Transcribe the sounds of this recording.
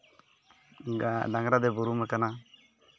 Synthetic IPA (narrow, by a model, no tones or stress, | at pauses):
ɖaŋɡɾad̪ɛbuɾumɛkana